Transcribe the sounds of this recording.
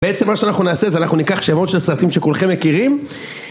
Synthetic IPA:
beet͡se̞mːaʃeanaχnunaːsezeanaχnunikaχʃemo̞tʃelsʁat̪imʃe̞kulχe̞mːe̞kiʁim

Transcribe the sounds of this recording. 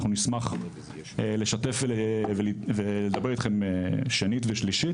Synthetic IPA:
χnunismaχ | le̞ʃat̪efevelveled̪abe̞it̪χemeʃenit̪veʃliʃi

